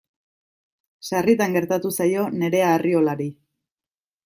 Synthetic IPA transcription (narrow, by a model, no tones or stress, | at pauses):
sarit̪aŋɡe̞ɾt̪at̪usajo̞ne̞ɾe̞aːrio̞laɾi